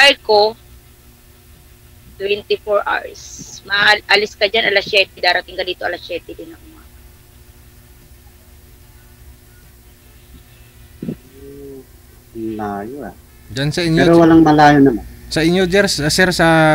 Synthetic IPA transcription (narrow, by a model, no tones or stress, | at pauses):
pajko | t̪wɛnt̪ɪfoɹʔa̰ɹsmɐʔɐlɪskɐd͡ʒanʔɐlɐsjɛːt̪ɛd̪aːɾɐt̪ɪŋɡɐliːt̪oɐlɐsɛːt̪ɛd̪ɪnːɐŋʔʊmaɡɐ | mlaːjoa | d͡ʒansɐʔɪɲɾowɐlaŋmɐlaːjonɐmansɐʔɪɲːod͡ʒɛɾssɛɾsɐ